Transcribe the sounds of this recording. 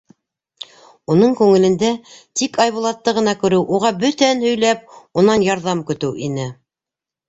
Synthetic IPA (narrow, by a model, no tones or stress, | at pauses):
unɤɴkʉŋɘ̆lɘ̆nd̪æt̪ikɑjβŭlˠɑt̪ːɤʁɤ̆nɑkɵ̆ɾɘwʔuʁɑbɵt̪ænhɵ̆jlæp̚unɑnjɑɾðɑmkɵ̆t̪ɘwʔinɘ